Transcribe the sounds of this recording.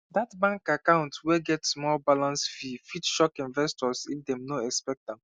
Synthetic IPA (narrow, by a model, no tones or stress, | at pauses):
datbãŋkakãʊ̃ntwɛɡɛtsmɔlbalãnsfifitʃɔkĩnvɛstɔsḭfdɛ̃mnoɛkspɛk̚t̚dɛ̃m